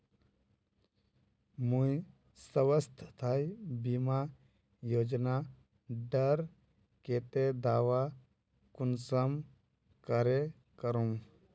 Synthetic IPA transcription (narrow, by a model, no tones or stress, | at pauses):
mũj | səʋəst̪ʰt̪ʰajbima | joːd͡ʒna | ɖəɾ | keːt̪ed̪aːʋa | kunsəm | kəɾe | kəɾum